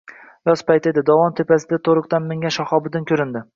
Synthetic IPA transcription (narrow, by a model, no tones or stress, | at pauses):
jɒspajt̪ed̪ɪd̪ɒvɒnt̪ʰepasɪd̪at̪ʰoɾʊq̚t̪anmɪŋʲaʃɒhɒbɪd̪ɪnkʲʰɵɾɪnd̪ɪ